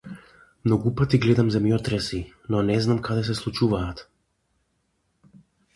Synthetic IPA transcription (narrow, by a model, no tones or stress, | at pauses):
mnɔɡupat̪iɡlɛd̪amzɛmjɔt̪ɾɛsi | nɔnɛznamkʰad̪ɛs̬ɛslˠut͡ʃuvaːt̪